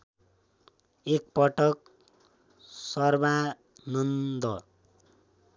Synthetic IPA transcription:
ek̚pʌʈʌk̚ | sʌrba | nʌnd̪ʌ

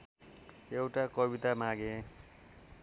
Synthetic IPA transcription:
ewʈakʌbit̪amaɡẽ

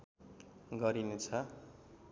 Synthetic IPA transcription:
ɡʌɾinet͡sʰʌ

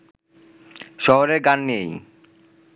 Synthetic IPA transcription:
ʃɔɦoɾeɾɡanːej

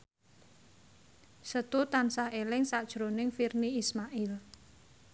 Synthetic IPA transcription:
sət̪ut̪ansahelɪŋsad̥ʒ̥ɾonɪŋfirniismaʔɪl

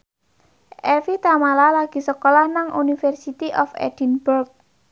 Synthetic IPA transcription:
ʔɛfit̪amalalaɡ̥i̤səkolahnaŋʔunifɛrsit̪iʔɔfɛ̰d̥i̤nburk̚

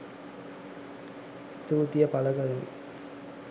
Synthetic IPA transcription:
st̪uːt̪ijɐpɐlɐkɐðɐnḭ

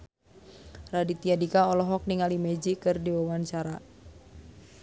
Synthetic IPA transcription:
radit̪iadikaɔlɔɦɔk̚niŋalimɛd͡ʒikɨrdiwawant͡ʃaɾa

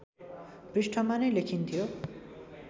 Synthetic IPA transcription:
brisʈʰʌmanʌjlekʰint̪ʰijo

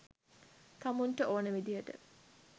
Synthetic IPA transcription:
t̪amuɳʈəʔoːnəʋid̪ijəʈə̰

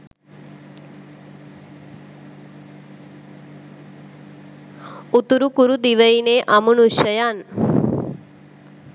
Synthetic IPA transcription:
ut̪uɾukuɾud̪iʋɐjineːʔɐmunuʃɐjaːn

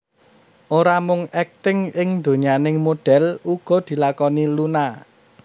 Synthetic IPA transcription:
ʔoɾamʊŋɛk̚t̪ɪŋɪŋnd̪o̤ɲianɪŋmoɖ̥ɛ̤luɡ̥ɔ̤d̪̥i̤lakɔniluna

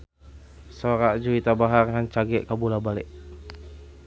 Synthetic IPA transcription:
soɾaʔd͡ʒuit̪abaɦarŋant͡ʃaɡɛʔkabulabalɛʔ

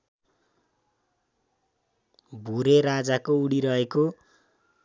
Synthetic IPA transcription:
bʱuɾerad͡zakouɽiɾʌɦeko

